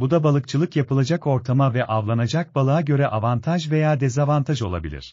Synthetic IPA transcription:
bud̪abalˠɯk̚t͡ʃʰɯlˠɯkjapɯlˠad͡ʒako̞ɾt̪ʰamavɛʔavlˠanad͡ʒak̚balˠaaɟø̞ɾɛʔavant̪ʰaʒve̞jaːd̪ezavant̪ʰaʒo̞lˠa̰bilʲḭɾ̥

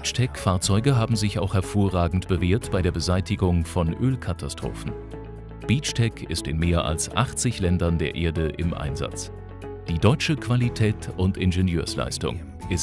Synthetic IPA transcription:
t͡ʃtʰɛkfaːɐt͡sɔʏɡəɦaːbm̩zɪça̰ʊxhɛɐfoːɐʁaːɡŋ̩tb̥əveːɐtb̥aɪdeɐbəzaɪtɪɡʊŋfɔnʔøːlkʰatʰastʁ̥o̰ːfn̩ | b̥it͡ʃtʰɛkʰɪ̰stɪnmeːɐʔa̰lsʔa̰χt͡sɪçlɛndɐndeːɐʔeːɐdəʔɪ̰mʔa̰ɪnza̰t͡s | d̥iːdɔʏt͡ʃəkv̥alitʰɛːtʔʊntʔɪnʒenjøːɐsla̰ɪstʊ̰ŋ | ʔɪs

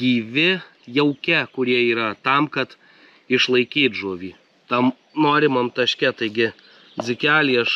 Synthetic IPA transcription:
ɡʲiːʋʲɪ | jɛʊkʲɛkʊɾʲiɛiːɾɐt̪ɐmkɐt̪ | ɪʃlˠɐɪkʲiːt̪ʒuːʋʲiː | t̪ɐm | noːɾʲɪmɐmt̪ɐʃʲkʲɛt̪ɐɪɡʲɪ | d͡z̪ʲɪkʲæːlʲiɐʃ

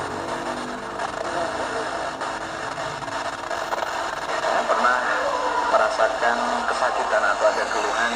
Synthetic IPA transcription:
apərnahməɾasakankəsakit̪anat̪awadakəɾuɦan

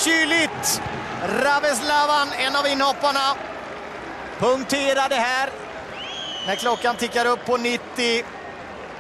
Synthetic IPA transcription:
ɕyːlɪt̪ | ɾavɛs̬lɑvanɛnːavɪnːhɔpːaɳa | pʰɵŋkt̪ʰeːɾad̪ɛɦæːɾ | næɾkʰlɔkːant̪ʰɪkːaɾɵpʰːɔnɪt̪ːɪ

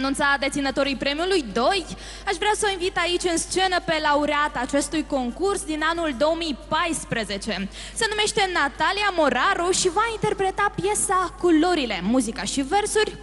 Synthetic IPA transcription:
nunt̪sad̪e̞t̪sinət̪o̞ɾijpɾe̞miulujd̪o̞j | aʃvɾeawsəinvit̪ait͡ʃʲɨnst͡ʃe̞nəpe̞lauɾeat̪aːt͡ʃe̞st̪ujko̞ŋkursd̪inanuld̪o̞omijpajspɾeze̞t͡ʃe̞ | se̞nume̞ʃt̪e̞nat̪aliamo̞ɾaɾuʃivaint̪e̞rpɾe̞t̪apje̞sakoloɾile̞muzikaʃive̞rsurʲ

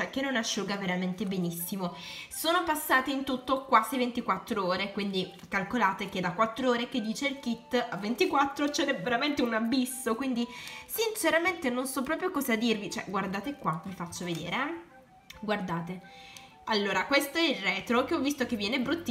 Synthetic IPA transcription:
t͡ʃɛkːenːonaʃːuɡaveɾament̪ebenisːimosoːnopasːaːt̪eint̪ut̪ːokwaːzivent̪ikwat̪ːɾooːɾekwind̪i | kalkolaːt̪ek̟ed̪akːwat̪ːɾooːɾek̟ed̪ːiːt͡ʃeilkit̪ːavːent̪ikwat̪ːɾot͡ʃɛɾɛveɾament̪eunabːisːokwind̪isint͡ʃeɾament̪enonsɔpːɾɔːpɾjokɔːzad̪irvit͡ʃoɛ̰ɡward̪aːt̪ekwamifat͡ʃːoved̪ḛːɾeɛ | ɡward̪aːt̪e | alːoːɾakwest̪oɛilrːɛːt̪ɾokeɔvːist̪ok̟evːjɛːnebɾut̪ː

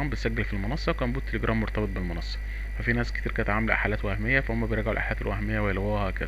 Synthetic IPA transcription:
æːmbet̪sæɡːælfilmonɑsˤːɑkæːmbuːt̪ːeleɡɾˤʔæːmːoɾt̪ˤɑbet̪̚ˤbelmonɑsˤːɑ̥ | fæfinæːske̥t̪iːɾkæt̪ʕaːmælʔa̰ħalæːt̪wæhmejːæfæhomːæbejeɾɡʕolʔa̰ħalæt̪elwæhmejːæwejelwæːhækæ̰d̪

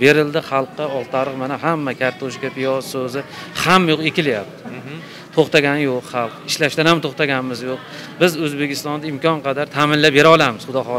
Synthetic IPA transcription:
be̞ɾɪld̪ɪχɑlˠqːɑɒlˠt̪ʰaɾɨqmanaɦamːakʲʰaɾt̪ʰoʃɡʲapʰijɒzsɵzɪ | hamːajoqekʲɪlajap̚t̪ʰɪ̥ | t̪ʰoχt̪aɡʲanjoqχɑlˠqɪʃlaʃd̪anhamt̪ʰoχt̪aɡʲanmɪzjoq̚ | bɪzɵzbe̞kʲʰɪst̪ɒnd̪aɪmkʲʰɒnqʰɑd̪aɾt̪ʰamɪnlap̚be̞ɾaɒlˠamɪz̥χʊd̪ɒχɒ

